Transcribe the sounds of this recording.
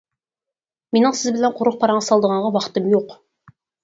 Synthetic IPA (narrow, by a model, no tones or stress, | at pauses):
menɪŋsɪzbɪlænqʰʊɾəq̚pʰɑɾɑɴɑsɑlˠd̪əʁɑɴʁɑwɑqt̪əmjoq